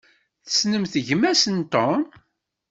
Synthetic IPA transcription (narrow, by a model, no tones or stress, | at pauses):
θə̥snəmθəʝmæsənt̪ɔn